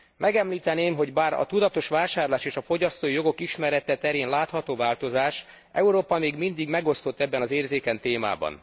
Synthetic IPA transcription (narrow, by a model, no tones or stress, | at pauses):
mʔɛɡɛmliːt̪ɛneːmɦo̞ɟbaːɾɒ̰t̪ud̪ɒt̪o̞ʃʋaːʃaːrlaːʃeːʃɒfo̞ɟɒst̪oːijo̞ɡo̞kiʃmɛɾɛt̪ɛt̪ɛɾeːnlaːt̪hɒt̪oːvaːlt̪o̞zaːʃ | ʔɛuɾoːpɒmeːɡmind̪iɡmɛɡo̞st̪o̞t̪ːɛbːɛnɒzeːrzeːkɛnt̪eːma̰ːbɒ̰n